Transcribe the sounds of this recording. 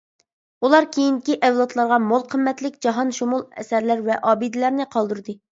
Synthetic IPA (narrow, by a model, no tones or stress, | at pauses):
ulˠɑɾkʲʰejinkʲiʔɛvlˠɑt̪lˠɑɾʁɑmolˠqʰəmːɛt̪lɪk̚ʲd͡ʒɑɦɑnʃumulˠɛ̰sæɾlæɾvɛʔɑːbɨd̪ɪlæɾnɪqʰɑlˠd̪uɾd̪ɨ